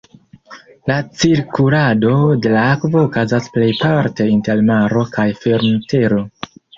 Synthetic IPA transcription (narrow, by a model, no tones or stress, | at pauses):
lat͡siɾkulado̞de̞laakvo̞ːkazasple̞jpaɾte̞inte̞lmaɾo̞kʰajfe̞ɾnte̞ɾo̞